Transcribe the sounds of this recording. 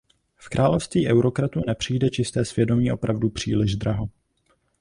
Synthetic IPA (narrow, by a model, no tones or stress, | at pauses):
fkɾʔaːlofst̪viːʔɛwɾo̞kɾat̪unɛpr̝̥ijdɛt͡ʃɪst̪ɛːsv̥jɛdo̞mɲiːʔo̞pɾavdupr̝̥ḭːlɪʒd̪ɾaɦo̞